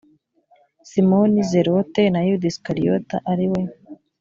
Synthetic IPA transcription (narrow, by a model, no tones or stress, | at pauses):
simonizeɾotenajud̪iskaɾijota̰ʔaɾiwe